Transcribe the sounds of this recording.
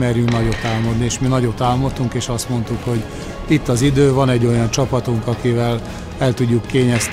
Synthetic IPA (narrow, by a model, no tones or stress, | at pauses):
ɛrjyŋknɒɟo̞t̪ːaːlmod̪nieːʃminɒɟo̞t̪ːaːlmot̪ːuŋkeːʃɒst̪mo̞n̪t̪ukho̞ɟ | it̪ːɒzid̪øːvɒnɛɟːo̞jɒnt͡ʃɒpɒt̪uŋkɒkivɛl | ɛlt̪uɟːukːeːɲɛs